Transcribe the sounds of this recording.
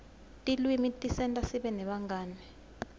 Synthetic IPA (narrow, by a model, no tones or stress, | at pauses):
tʼilwimitʼisɛntʼasiɓɛnɛɓaŋɡaːnɛ